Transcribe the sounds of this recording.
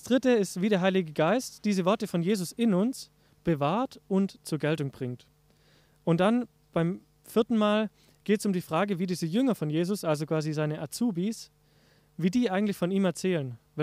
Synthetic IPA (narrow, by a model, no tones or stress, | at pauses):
d̥asd̥ʁɪtəɪstv̥iːdɾeːɐɦaɪlɪɡəɡaɪstd̥iːzəvɔɐtəfɔnjeːzʊsɪnʊns | b̥əvaːɐtʊntt͡suːɐɡɛltʊŋb̥ʁɪŋt | ʔʊntd̥an | b̥aɪm | fɪɐtn̩maːl | ɡ̥eːtəsʊmdiːfʁ̥aːɡəviːdiːzəjʏŋɐfɔnjeːzʊsʔalzokv̥aːzizaɪnəʔat͡suːbiːs | viːdiːʔaɪɡŋ̩tlɪçfɔniːmɛɐt͡sɛːlənvɛ